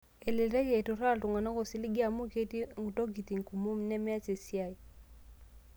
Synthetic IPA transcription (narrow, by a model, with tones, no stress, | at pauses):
e˨li˨ɾɛ˦ke˨tu˨ɾa˦˨ltu˨ŋa˨na˦ko˨si˦li˦ɡi˦a˨mu˦ke˦ti˦ŋu˨to˦ɡi˨ti˨ŋ˨ku˨mu˦m˨nɛ˦mɛ˦a˦se˨si˦a˦˨i˨